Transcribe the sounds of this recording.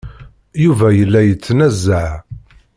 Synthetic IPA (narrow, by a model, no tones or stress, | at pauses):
juvæjəlːæjət͡sːnæzːaʕ